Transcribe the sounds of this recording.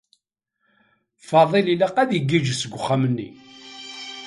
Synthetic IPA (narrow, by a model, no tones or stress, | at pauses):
fɑðˤelilːæqæðjəɡːiʒəsəɡʷːʊχːamənːḭ